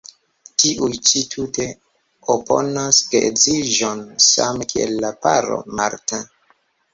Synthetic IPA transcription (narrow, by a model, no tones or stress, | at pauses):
tiʔujt͡ʃitʰute̞ | opo̰naskeekziʒonsamekiḛlːapaɾo̞̰maɾtã